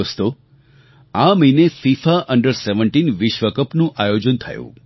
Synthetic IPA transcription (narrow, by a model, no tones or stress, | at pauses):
əst̪o | aməinefifaʔəɳɖəɾseʋəɳʈinʋiʃʋəkəpnũʔajod͡ʒənt̪ʰə̰jṵ̃